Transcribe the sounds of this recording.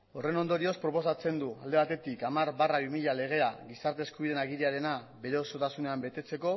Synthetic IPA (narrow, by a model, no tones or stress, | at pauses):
o̞re̞no̞nd̪o̞ɾio̞spɾo̞po̞sat͡se̞nd̪uald̪e̞β̞at̪e̞t̪ikamaɾβaraβimiʎale̞ɣ̞e̞aɣisaɾt̪e̞ːskuβið̞e̞naɣiɾiaɾe̞na | be̞ɾe̞o̞so̞t̪asune̞ambe̞t̪e̞t͡se̞ko̞